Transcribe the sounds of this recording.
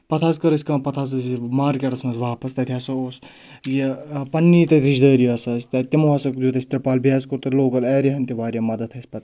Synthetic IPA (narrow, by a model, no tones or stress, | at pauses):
pɐt̪ʰaːzkɐɾɐsʲkãːpɐt̪ʰaz̬ɐsimaːɾkʲeʈɐsmɐnzʋaːpɐst̪ɐt̪ʰʲjaːsɐoːs | jepɐnːiːt̪ɐd̪ɾid͡ʒd̪əːɾiɐsɐsʲt̪ʲɐt̪ʲimuasɐkd̪ʲjut̪ɐsʲt̪ɾɐpaːlbjaːzkoɾt̪ɐloːkɐlɐːɾʲiɦɐnt̪ʲiʋaːɾʲjɐmɐd̪ɐt̪ʰɐsʲpɐt̪